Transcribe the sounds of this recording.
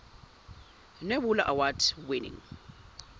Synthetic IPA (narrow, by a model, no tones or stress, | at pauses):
nebulaʔawatʰwɪnɪ̰ŋ